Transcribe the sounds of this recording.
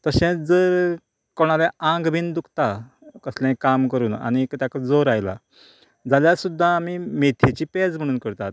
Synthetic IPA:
t̪əɕɛ̃d͡zəɾ | koɽ̃aleãŋɡbʱind̪ukʰt̪a | kəslãkamkəɾuːna̰ñikt̪jakad͡zoɾajla̰ | d͡zaljasud̪ʱːaːmimet̪ʰet͡ɕiːpɛd͡zm̤əɽ̃uːnkəɾt̪at̪̚

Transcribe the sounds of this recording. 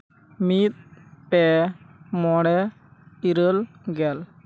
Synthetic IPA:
mit̪̚pɛ | mɔɽɛ | iɾəlɡɛl

